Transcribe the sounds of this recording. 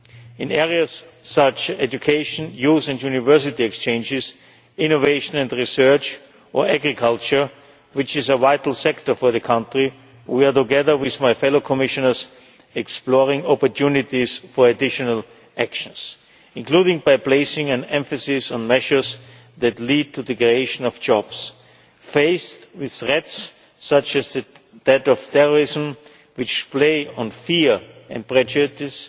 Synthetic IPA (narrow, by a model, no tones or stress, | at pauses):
ɪ̃nɛɹias | sʌt͡ʃɛd͡ʒjukʰeɪʃə̃njusɛ̃ndjunɪvɜ˞sɪtiɛkst͡ʃẽɪ̃nd͡ʒɪs | ɪ̃noveɪʃə̃nɛ̃ndɹisɜ˞t͡ʃ | ʔɔ˞æɡɹɪkʰalˠt͡ʃə˞ | wɪt͡ʃɪzəvaɪtl̩ˠsɛktə˞fɔ˞ðəkʰãntɹi | wiətuɡɛðə˞wɪðmaɪfɛloʊkʰɔmɪʃə̃nə˞s | ɛksplɔɹɪ̃ŋɔpə˞tʰjũnɪtisfɔɹadɪʃɔnəl | ʔækʃə̃ns | ɪ̃nkʰl̥uɾɪ̃ŋbaɪpleɪsɪ̃ŋɛ̃nɛ̃ɱfɨsɪsɔ̃nmɛʃə˞s | ðætliːd̚tʰuðɨkɹieɪʃə̃nɔvd͡ʒɑbs | feɪstwɪθθɹɛtsː | ʌt͡ʃɛzðɨ | d̥̪ɛtɔft̪ʰɛɹɔɹɪzm̩ | wɪt͡ʃpleɪɔ̃nfiɹɛ̰̃nd̚pɹɛd͡ʒɔtis